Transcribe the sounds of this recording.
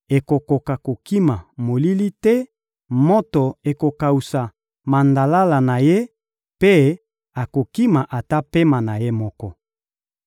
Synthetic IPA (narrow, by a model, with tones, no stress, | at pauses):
e˨ko˨ko˨ka˨ko˨ki˦ma˨mo˨li˦li˦tɛ˦ | mo˦to˨e˨ko˨ka˨u˨sa˨ | ma˨nda˨la˦la˨na˨je˦ | pe˦ | a˨ko˨ki˦ma˨ʔa˨ta˦pe˦ma˨na˨je˦mɔ˦kɔ˦